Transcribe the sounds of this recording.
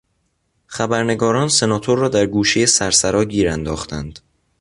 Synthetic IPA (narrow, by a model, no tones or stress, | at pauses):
xæbæɾne̞ɡɒːɾɒːnse̞nɒːt̪ʰoɾːɒːd̪æɾɡuːʃejesæɾsæɾɒːɟiːɾænd̪ɒːxt̪ænd̪̥